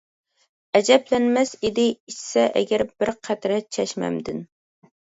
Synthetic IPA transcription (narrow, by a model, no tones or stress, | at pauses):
ɛd͡ʒɛplɛnmɛsid̪ɪit͡ʃsɛʔɛ̰ɡʲɛɾbɪɾqʰæt̪ɾɛt͡ʃʰɛʃmɛ̰md̪ɪn